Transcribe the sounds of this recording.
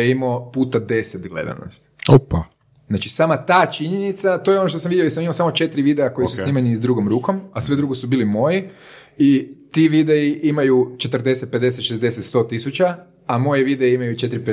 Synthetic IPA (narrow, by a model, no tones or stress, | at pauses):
eimopuːt̪ad̪e̞set̪ɡle̞̰d̪a̰no̰st̪opa | znat͡ʃisaːmat̪aːt͡ʃiɲenit̪sat̪o̞jeonoʃt̪osamʋid̪jojis̬amimosamo̞t͡ʃe̞t̪ɾiʋid̪eako̞jisusniːmanizd̪ɾuɡomɾuːko̞masʋe̞d̪ɾuɡosubiːlimo̞ji | it̪iʋid̪eiʔimajut͡ʃe̞t̪ɾd̪e̞set̪̚ped̪eset̪ʃezd̪eset̪st̪o̞t̪isut͡ʃa | amo̞jiʋid̪eiimajut͡ʃe̞t̪ɾipe